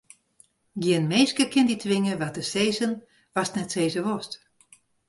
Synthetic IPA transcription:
ɡjiənmeːskəkʰɪnditʰʋɪŋəʋatəseːzən | ʋasnɛtseːzəʋost

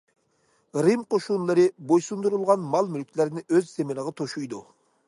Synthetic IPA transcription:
ɾɪmqʰoʃunlˠɨɾɨbojsund̪uɾulˠʁɑnmɑlˠmylkʲʰileɾɪnɪøzːemeləʁɑt̪ʰoʃujd̪u

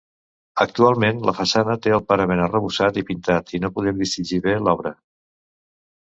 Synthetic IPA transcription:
ək̚t̪ualˠmenləfəsanət̪eəlˠpaɾəβenərəβusat̪ipint̪at̪inopuðɛmd̪ist̪id͡ʒiβelɔβɾə

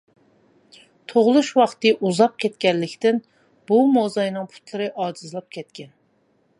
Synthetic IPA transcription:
t̪ʰoʁlˠuʃwɑχt̪ɨʔuzɑp̚kʲʰɛt̪kʲɛnlːɪkʲt̪ɪn | b̥umozɑjnɨŋpʰu̥t̪lˠɨɾɨʔɑːd͡ʒizɨlˠɑp̚kʲʰɛt̪̚kʲɛn

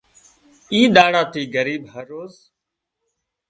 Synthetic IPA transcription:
iːɗaːɽaːt̪iːɡəɾiːbɦəɾːoːz

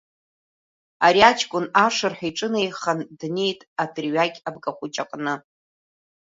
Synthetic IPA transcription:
aɾiat͡ʃʰʼkʷʼʊnaʂɨrħʷᶣaiʈ͡ʂʼɨnajχandne̞jtʼatʰʼrɥakʲʼabkʼaχʷʊt͡ʃʼaqʼnɨ

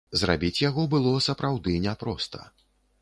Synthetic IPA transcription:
zra̰bʲit͡sʲjaɣɔbɨlˠɔsɐpɾawd̪ɨnʲɛpɾɔst̪ɐ̥̰

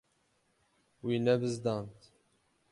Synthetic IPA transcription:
winæbəzd̪ɑnt̪

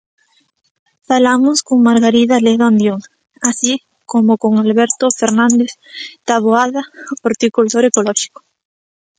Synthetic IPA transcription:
falamoskoŋmaɾɣaɾiðaleðand̪joŋ | asi | komokoŋalβɛɾt̪ofeɾnãnd̪eθt̪aβoaðapoɾt̪ikult̪oɾekolɔʃi̥ko̥

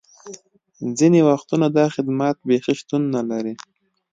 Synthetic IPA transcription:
zinewaxt̪unad̪ɑxɪd̪mat̪̚bexiʃt̪unːalaɾi

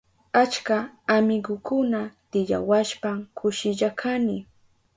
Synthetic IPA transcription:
at͡ʃkaːmɪɡʊkʊnat̪ɪʎa̰waʃpamkʰʊʃɪʎakʰanɪ

